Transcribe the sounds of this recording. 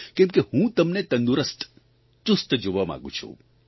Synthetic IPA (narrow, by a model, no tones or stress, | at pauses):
kɛ̃mkehũt̪əmnet̪ə̃nd̪uɾəst̪ | t͡ʃust̪d͡ʒoʋamã̰ɡṵ̃t͡ʃʰṵ̃